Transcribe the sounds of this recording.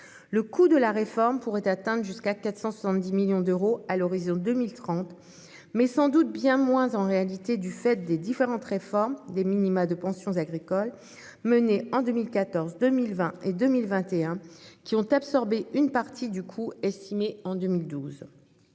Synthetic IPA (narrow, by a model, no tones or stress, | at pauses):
ləkud̪əlaʁefɔʁmpuʁɛt̪at̪ɛ̃d̪ʁʒyskakat̪χsɑ̃swasɑ̃t̪̚d̪imiljɔ̃d̪øʁoalɔʁizɔ̃d̪əmilt̪χɑ̃t̪ | mɛsɑ̃d̪ut̪̚bjɛ̃mwɛ̃zɑ̃ʁealit̪ed̪yfɛt̪̚d̪ed̪ifeʁɑ̃t̪ʁefɔʁmd̪eminimad̪əpɑ̃sjɔ̃zaɡʁikɔl | məneɑ̃d̪əmilkat̪ɔʁzd̪əmilvɛ̃ed̪ømilvɛ̃t̪eɛ̃kʲiɔ̃t̪absɔʁbeynpaʁt̪ʰid̪ykʰuɛst̪imeɑ̃d̪ømild̪uz